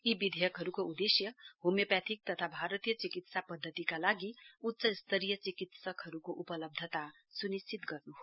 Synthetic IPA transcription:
ibid̪ʱejʌkɦʌɾukoud̪esjʌɦumjʌpjat̪ʰik̚t̪ʌt̪ʰabʱaɾət̪ijʌt͡sikit̪sapʌd̪ʱːət̪ikalaɡiutːsʌst̪ʰəɾijʌt͡sikit̪sʌkɦʌɾukoʔupʌlʌb̚d̪ʱət̪a | sunist͡sit̪ɡʌrnuɦo

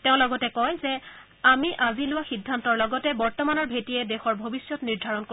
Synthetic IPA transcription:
tɛʊ̃lɔɡɔtɛkɔjzɛ | amiʔazilʊwaxidʱːantɔɹlɔɡɔtɛbɔɹtɔmanɔɹbʱetiɛdexɔɹbʱobisjɔtniɹdʱaɹɔnko

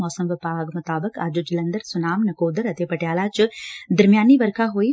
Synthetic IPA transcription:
ɔːsəmʋɪpaːɡmʊt̪aːbəka̰ːd͡ʒod͡ʒɪlɐnd̪əɾsʊnaːmnɐkoːd̪əɾɐt̪eːpɐʈjaːlaːt͡ʃd̪ɐɾmjaːnːiːʋɐɾkʰaɦoːiː

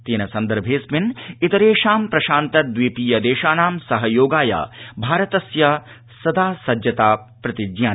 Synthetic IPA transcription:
t̪eːnɐsɐnd̪ɐɾbʱeːsmɪnit̪ɐɾeːʃaːmpɾɐʃaːnt̪ɐd̪ʋipiːjɐd̪eːʃaːnaːmsɐɦɐjoːɡaːja̰bʱaːɾɐt̪ɐsjɐ | sɐd̪aːsɐd͡ʒjɐt̪aːpɾɐt̪id͡ʒjaː

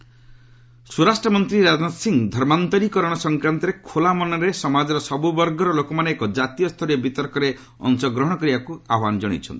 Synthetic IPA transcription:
suɾasʈɾɔmɔnt̪ɾiɾad͡ʒnasiŋd̪ʱɔɾmant̪ɔɾikɔɾɔɽ̃ɔsɔŋkɾant̪ɔɾekʰolamɔnɔɾesɔmad͡ʒɔɾɔsɔbubɔɾɡɔɾɔlokɔmaneːkɔd͡ʒat̪ijɔst̪ʰɔɾijɔbit̪ɔɾkɔɾe | ɔ̰nsɔɡɾɔɦɔɽ̃ɔkɔɾibakuaɦwanɔd͡ʒɔɽ̃ḭt͡ʃʰɔ̰nt̪i̥

